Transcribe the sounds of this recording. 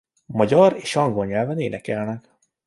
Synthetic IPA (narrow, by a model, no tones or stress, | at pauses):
mɒɟɒreːʃɒŋɡolɲɛlvɛneːnɛkɛlnɛk